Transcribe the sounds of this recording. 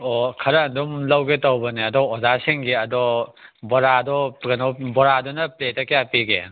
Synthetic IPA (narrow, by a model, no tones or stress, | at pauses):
ɔkʰɐɾɐːndumlɐwɡetɐwbɐneɐdɔɔzasiŋɡeɐdɔbɔɾadɔɡɐnɔbɔɾadɔnɐpletɐkejapiɡḛ